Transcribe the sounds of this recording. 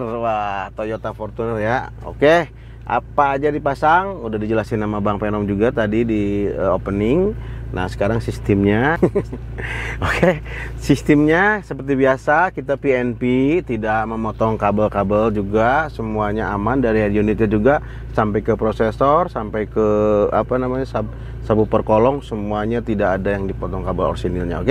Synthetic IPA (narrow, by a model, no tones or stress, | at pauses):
rwat̪ojot̪afɔrt̪unərja | o̰ke | ʔa̰paːd͡ʒadipasaŋudahdid͡ʒəlasinːamabaŋpenɔŋd͡ʒuɡat̪adidiəopənɪŋna̰hsə̥kaɾaŋsist̪ɪmɲa | oke | sist̪imɲasəpərt̪ibiasakit̪apiɛnpit̪idaʔməmɔt̪ɔŋkabəlkabəld͡ʒuɡasəmuaɲaamandaɾiadionit̪ɲad͡ʒuɡa | sampajkəpɾosesɔrsampajkəa̰panamaɲasa | sabupərkolɔŋsəmuaɲat̪idakadajaŋdipɔt̪ɔŋkabəlɔ̰rsinɪlɲa̰o̰ke